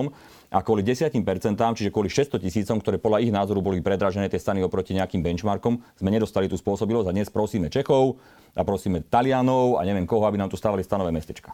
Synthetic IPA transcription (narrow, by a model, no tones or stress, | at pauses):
m | ʔakʊɔliɟɛsɪaciːmpɛɾt͡sɛnt̪aːmt͡ʃiʒɛkwʊɔliʃɛst̪ɔcisiːt͡sɔmkt̪ɔɾɛːpɔd̪laiɣnaːzɔɾubɔlipɾɛd̪ɾaʒɛnɛːt̪ɪɛst̪aniɔpɾɔciɲɛakiːmbɛnt͡ʃmaɾkɔmz̥mɛɲɛd̪ɔst̪alit̪uspʊɔsɔbilɔad̪ɲɛspɾɔsiːmɛt͡ʃɛxɔʊ | ʔapɾɔsiːmɛt̪alɪanɔʊa̰ɲɛʋɪɛmkɔɦɔabinaːmt̪u̥st̪aːʋalist̪anɔʋɛːmɛst̪ɛt͡ʃkḁ